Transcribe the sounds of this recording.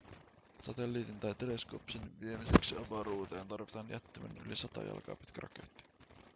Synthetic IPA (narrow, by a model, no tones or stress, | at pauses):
sɑt̪elːiːt̪int̪ɑjt̪eleskopsinʋie̞miseksiɑbɑɾuːt̪eːnt̪ɑrʋit̪ɑnjæt̪ːimæ̰ny̰lisɑt̪ɑ̰jɑ̰lkɑ̰ːpi̥t̪kæɾʔɑ̰kḛt̪ːi̥